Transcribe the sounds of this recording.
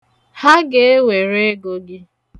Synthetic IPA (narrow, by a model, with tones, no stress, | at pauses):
ha˦ɡe˨e˦we˨ɾe˦ɡo˨ɡɪ˦